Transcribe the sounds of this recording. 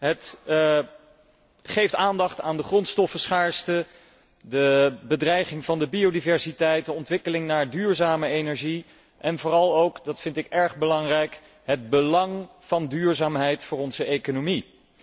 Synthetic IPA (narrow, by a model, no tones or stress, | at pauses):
ɦət | χejftaːndɑχtaːndəχrɔntstɔfəsχaːɹstə | dəbədrɛjχɪŋvɑndəbiodivɛɹsitɛjt̚dəɔntʋɪkəlɪŋnaːɹdyːɹzaːməejnɛɹʒi | ʔɛnvʊːrɑlˠowkdɑtfɪntɪkɛɹχbəlɑŋrɛjk | ɦəd̚bəlɑŋv̥ɑndyːɹzaːmɦɛjtfʊːrɔnzəʔejkonomi